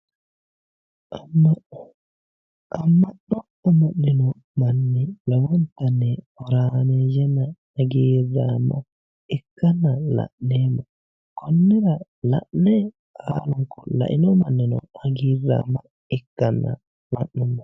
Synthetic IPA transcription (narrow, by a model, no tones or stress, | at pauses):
ama | ʔamːaɗɔ | ɔmanːinɔ | manːilawɔntanɛ | ɔɾamɛd͡ʒɛma | aɡirama | ɛkːanːala̰ʔːɛma | kɔnːɛɾa | la̰ʔɛ | haluŋkɔla̰ʔḭnɔmanːinɔ̰aɡiɾa̰ma | ɛkːanːa̰ | lanːɛma